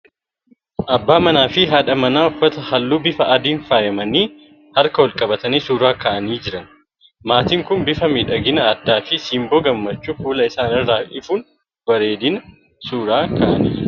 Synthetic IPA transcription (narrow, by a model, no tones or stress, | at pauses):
ʔɐbːaːmɐnaːfɪɦaːᶑɐmɐnaːɔfːɐt̪ɐhɐlːuːbɪfɐɐd̪iːnfaːjɐmɐniː | hɐɾkɐwɔlkʼɐbɐt̪ɐniːsuːɾaːkɐʔɐniːd͡ʒɪɾɐn | maːt̪iːŋkʊnbɪfɐmeːᶑɐɡɪnɐːd̪ːaːfɪsiːmboːɡɐmːɐt͡ʃːuːfuːlɐɪsaːnɪrːaːʔɪfuːn | bɐɾeːd̪ɪnɐ | suːɾaːkɐʔɐ̰nḭː